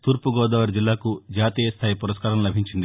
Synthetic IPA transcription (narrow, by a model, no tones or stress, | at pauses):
t̪uːɾpuɡɔːd̪ɐːʋɐɾd͡ʒilːaːkud͡ʒaːt̪iːjɐst̪ʰaːjipuɾɐskaːɾɐmlɐbʱiɲt͡ʃind̪i